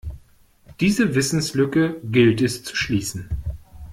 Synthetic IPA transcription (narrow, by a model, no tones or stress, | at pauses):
d̥iːzəvɪsn̩slʏkəɡɪltɛst͡su̥ʃliːsn̩